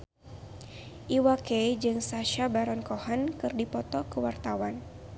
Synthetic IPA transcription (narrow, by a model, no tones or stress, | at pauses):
ʔiwaked͡ʒɨŋsaʃabaɾɔnkɔhankɨrdipɔt̪ɔkəwart̪awan